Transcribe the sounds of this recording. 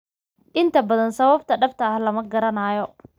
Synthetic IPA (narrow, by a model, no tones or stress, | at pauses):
ʔɪnt̪ʰɐbɐðɐnsɐβɐb̚t̪ʰɐɖɐbt̪ʰɐɐhlɐmɐɡɐɾɐnaːjɔ